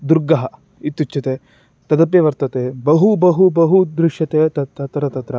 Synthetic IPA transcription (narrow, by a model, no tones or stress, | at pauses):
d̪uɾɡɐɦɐ | it̪ːut͡ʃːɐt̪e | t̪ɐd̪ɐp̬jɐʋɐɾt̪ɐt̪ebɐɦubɐɦubɐɦud̪ɾɪʂjɐt̪eɐt̪ɐt̪ːɐt̪ɾɐt̪ɐt̪ɾɐ